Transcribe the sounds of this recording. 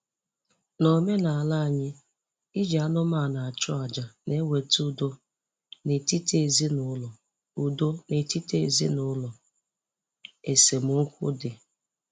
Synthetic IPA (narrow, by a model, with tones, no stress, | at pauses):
no˨me˦na˨a˨la˦a˨ɲɪ˦ | i˦d͡ʒa˦nʊ˦ma˦˨na˨a˨t͡ʃɔ˦a˨d͡ʒa˨ne˦we˨tu˦do˦ | ne˨ti˦te˦˨zi˦nʊ˦lɔ˨ | u˨do˦ne˨ti˦tḛ˦˨zḭ˦nʊ˦lɔ˨ | e˨se˨mʊ˨˦ŋ̩˦kʷʊ̰˦dɪ˨